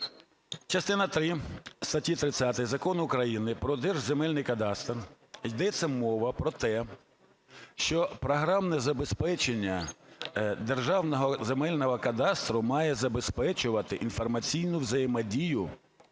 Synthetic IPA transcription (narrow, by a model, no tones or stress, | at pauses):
t͡ʃɐst̪ɪnɐt̪ɾɪst̪ɐtʲit̪ɾɪt̪t͡sʲsʲat̪ɪzɐkɔnʊkɾɐjinɪpɾɔd̪ɛrʒzemɛlʲnɪjkɐd̪ɑst̪r | jd̪ɛt͡sʲːɐmɔʋɐpɾɔt̪ɛ | ʃt͡ʃɔpɾɔɦɾɑmnɛzɐbespɛt͡ʃenʲːɐ | d̪erʒɑwnɔɦɔzemɛlʲnɔɦɔkɐd̪ɑst̪ɾʊmɑjɛzɐbespɛt͡ʃʊʋɐt̪ɪʔin̪fɔrmɐt͡sʲijnʊʋzɐjemɐdʲijʊ